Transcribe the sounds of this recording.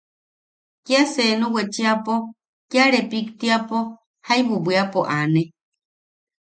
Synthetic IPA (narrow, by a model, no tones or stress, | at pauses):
kiasenũwet͡ʃiapo | kjaɾepikt̪iapo | hajβubiapoʔane